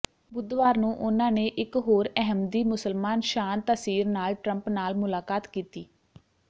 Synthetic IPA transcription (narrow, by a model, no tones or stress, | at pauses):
bʊd̪ʋaːɾnũːʔʊnãːneːʔɪkɦoːɾɛɦəmd̪iːmʊsəlmaːnʃaːnt̪əsiːɾnaːlʈɾəmpnaːlmʊlaːkaːt̪kiːt̪iː